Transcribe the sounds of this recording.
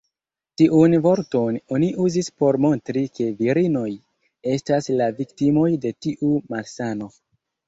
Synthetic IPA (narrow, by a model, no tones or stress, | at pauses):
tiʔunvo̞ɾto̞no̞niʔuzispo̞ɾmo̞ntɾike̞viɾino̞j | e̞staslaviktimo̞jde̞tiʔumalsano̞